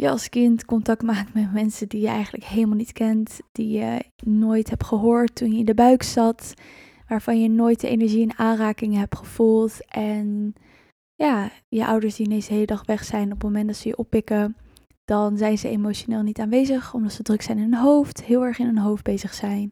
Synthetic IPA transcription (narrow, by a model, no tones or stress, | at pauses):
jəɑ̰lˠskɪntkɔntɑk̚tmaːk̚tmɛtmɛnsədijəʔɛ̰jχəntləkɦeləmalˠnitkɛntd̥ijənojtɦɛpχəɦoːɹtːunjəɪndəbœɥksɑt | ʋaːɹv̥ɑnjənoːjt̚dəʔḛnɛɹʒiɛnaːnraːkɪŋəɦɛp̚tχəv̥ulˠtʔɛn | jaː | jəʔɑ̰wdəɹsdiənejzəɦejlədɑχʋɛχsɛjnɔpmomɛndɑtsəjəʔɔpːɪkə | d̥ɑnzɛjnzəḛmowʃonɪːlˠnitaːnʋejzəχɔmdɑtsədrɵksɛjnɪnənɦowftɦɪːlˠɛɹχɪnɦənɦowfd̚bejzəχsɛjn